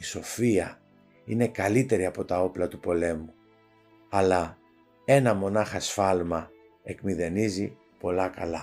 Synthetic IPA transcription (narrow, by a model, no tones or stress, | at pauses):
iso̞fiɐ | ine̞kɐlit̪e̞ɾiɐpo̞t̪ɐo̞plɐt̪upo̞le̞mu | ɐlɐ | e̞nɐmo̞nɐxɐsfɐlmɐ | e̞kmiðe̞nizi | po̞lɐkɐ̰lɐ